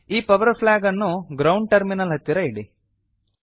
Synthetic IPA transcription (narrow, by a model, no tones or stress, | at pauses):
iːpɐʋɐɾpʰlaːɡɐnːuɡɾɐwɳɖ̚ʈɐɾminɐlɦɐt̪ːiɾɐiɽi